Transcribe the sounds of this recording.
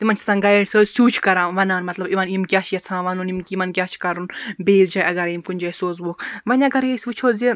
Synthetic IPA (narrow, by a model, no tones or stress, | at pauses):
t̪imɐnt͡ʃʰi̥sãːnɡɐeɽsʲoːsuːt͡ʃʰkɐɾãːnʋɐnaːnmɐt̪lɐbiʋɐnimkʲjaːt͡ʃʰjɐt͡sʰãːʋɐnunimkʲimɐnkʲaːt͡ʃʰkɐɾunbeːzd͡ʒaːjɐɡɐɾjimkunʲd͡ʒajsoːzʋoːkʋɐnʲɐɡɐɾjesʲʋut͡ʃʰoːzi